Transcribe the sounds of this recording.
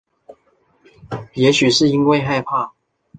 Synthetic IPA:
jɛ˨˥ɕy˨˩ʂɻ̩˥˩i˦˥nwe˥˧ɪxa˥˧ɪpʰa˥˩

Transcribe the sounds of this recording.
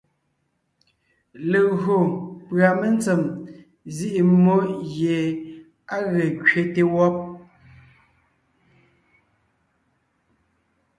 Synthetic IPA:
le˨ɣo˨pɰa˨me˦n˦t͡se˨m | zi˦ʔi˨mo˦ʔje˨ | a˦ɣe˨kɥe˦te˦wɔ˦p̚

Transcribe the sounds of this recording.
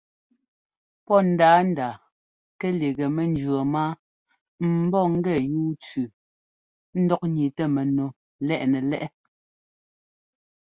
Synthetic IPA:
pɔ˦n̩˨daː˨˦n˦daː˨ | kɛ˦le˨ɣɛ˨mɛ˨n˦d͡ʒɰo˨maː˦ | m̩˨˦bɔ˦ŋ̩˦ɡɛ˦˨juː˦t͡sʉ˨ | n̩˦dɔ˦k̚ɲi˨tɛ˦˨mɛ˨no˨ | lɛ˦ʔnɛ˨lɛ˦ʔɛ˦

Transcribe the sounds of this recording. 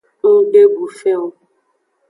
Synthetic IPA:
ŋ̩˦ɖe˦bu˨fɛ˦o˦

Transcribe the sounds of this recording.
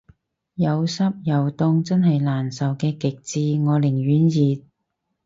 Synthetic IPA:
jɐ˨˧wsɐ˥p̚jɐ˨wt̪ʊ˧ŋt͡sɐ˥nɦɐ˨jlaː˨˩nsɐ˨wkɛː˧kɪ˨k̚t͡siː˧ŋɔː˨˧lɪ˨˩ŋjyː˨˥njiː˨t̚

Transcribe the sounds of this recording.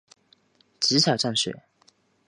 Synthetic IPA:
t͡ɕ̩˧˥t͡ɕʰjɑ˨˩ʈ͡ʂɑ˥˩ŋɕɥɛ̰˨˩˦

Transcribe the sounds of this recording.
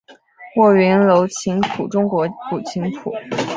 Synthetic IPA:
wɔ˥˩ɥy˧˥nlo˧˥ʊt͡ɕʰi˧˥ŋpʰu˨˩ʈ͡ʂʊ˥ŋkwɔ˧˥pu˨˩t͡ɕʰi˧˥ŋpʰṵ˨˩˦

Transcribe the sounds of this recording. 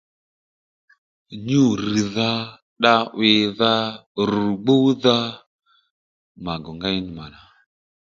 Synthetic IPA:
ɲu˦˨ɾi˨ða˦ | ɗa˦wɪ˧ða˦ɾu˨ɡ͡bo˦ða˦ | ma˨ɡɔ˨ŋɡa˦i˦ni˨ma˨na˨

